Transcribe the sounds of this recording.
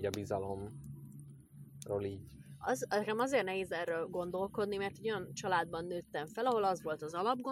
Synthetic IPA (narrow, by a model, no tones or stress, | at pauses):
ɒbizɒlo̞m | roːliːɟɒznɛkɛmɒzeːrtnɛɦeːzɛrøːlɡo̞nd̪o̞lko̞d̪nimɛrt̪iɟo̞jɒnt͡ʃɒlaːd̪̚bɒnːøːt̪ːɛɱfɛlɒɦo̞lɒzʋo̞lt̪ɒzɒlɒbɡo